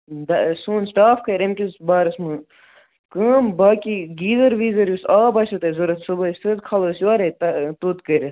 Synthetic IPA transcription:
d̪ɐsuːnsʈaːfkɐɾɐmʲkʲisbaːɾɐsmɨ | kəːmbaːkiɡiːzɐɾʋiːzɐɾjusaːbɐt͡ʃʰɐt̪ɐzɐɾɐt̪subɐsɨt̪̚kʰɐloːsaːɾet̪ɐt̪ut̪kɐɾʲɐ

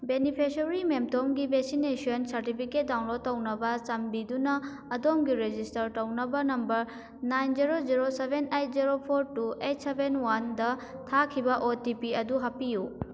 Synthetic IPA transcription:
benipʰesoɾimemtomɡibʱek̚sinesionsɐɾtipʰiket̚dawnlod̚tɐwnɐbɐt͡ʃɐmbidunɐː | domɡiɾed͡ʒistɐɾtɐwnɐbɐnɐmbɐɾ | najnd͡ʒiɾod͡ʒiɾosebenejt̚ʰziɾopʰoɾtuejt̚ʰsebʱenwandɐ | tʰakʰibɐʔotipiɐduɦɐpiju

